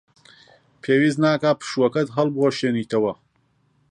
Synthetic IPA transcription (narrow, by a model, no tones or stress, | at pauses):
pʰeːwiːznaːkaːpʰɨ̥ʃuwɐkɐt̪ɦɐlbwoʃeːniːt̪ʰɐwɐ